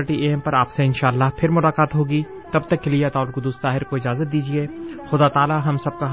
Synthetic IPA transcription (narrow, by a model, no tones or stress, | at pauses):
ɾʈiʔeːmpɐɾaːpseɪnʃaːlːaːɦpʰɪɾmʊlaːkaːt̪ɦoːɡiː | t̪ɐb̚t̪ɐkːelieɐt̪aːʊlkʊd̪ust̪aːɦɪɾkoɪd͡ʒaːzət̪̚d̪iːd͡ʒieːxʊd̪aːt̪aːlaɦɐmsɐb̚kaɦ